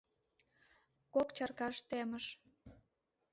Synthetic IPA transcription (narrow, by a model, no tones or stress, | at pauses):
kokt͡ɕɑrkɑʃt̪eməʃ